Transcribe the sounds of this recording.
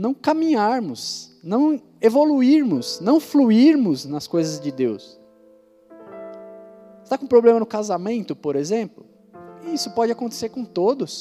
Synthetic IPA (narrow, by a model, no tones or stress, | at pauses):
nɐ̃w̃kɐmĩɲaɾmʊs | nɐ̃w̃ | evoluiɾmʊsnɐ̃w̃fluiɾmʊznɐskojzɐzd͡ʒɪd̪ews | st̪akõpɾoblẽmɐnʊkazamẽnt̪ʊpoɾezẽmplʊ | ɪisʊpɔd͡ʒɪakõnt̪e̥seɾkõt̪od̪ʊs